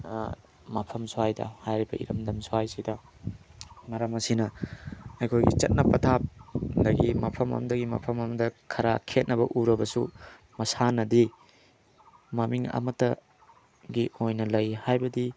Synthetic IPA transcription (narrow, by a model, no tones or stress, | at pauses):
mɐpʰɐmsowajdɐ̰hajɾibɐ̰ʔḭɾɐmdɐmsowajsidɐ | mɐɾɐmɐsinɐ | ɐjkʰojɡḭt͡ʃɐt̚nɐpɐtʰap̚dɐɡimɐpʰɐmɐ̰mdɐɡimɐ̰pʰɐmɐmɐdɐkʰɐɾakʰet̚nɐbɐʔuɾɐbɐsu | mɐsanɐdi | mamiŋɐ̰mɐtːɐ | ɡiojnɐlɐjhajbɐdi